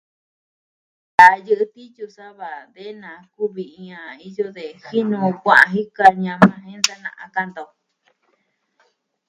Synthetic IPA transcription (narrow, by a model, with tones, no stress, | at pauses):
d̪a˨jɨ˦ʔɨ˧˦t̪i˦t͡ʃu˧sa˦βa˨ðe˦nã˨ku˦βi˨ĩ˧ã˧i˦jo˦ðe˨hi˦nũ˧kʷã˦˨ʔã˧ɦi˦ka˧ɲã˧mã˧ɦẽ˦nda˦nã̰˧ʔã̰˧ka˧nd̪o˨